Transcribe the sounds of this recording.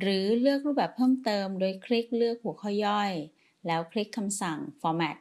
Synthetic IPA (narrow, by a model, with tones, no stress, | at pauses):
ɾɯː˩˦lɯ˥˩ək̚ɾuː˥˩bɛː˨˩pʰːɤː˥˩mt̪ɤː˧mdoː˧jkʰɾi˦˥k̚lɯ˥˩ək̚pʰːu˨˩˦kʰɔ˥˩jjɔ˥˩j | lɛː˦˥wkʰɾi˦˥kʰːa˧msa˨˩ŋfɔː˧mɛː˨˩t̪̚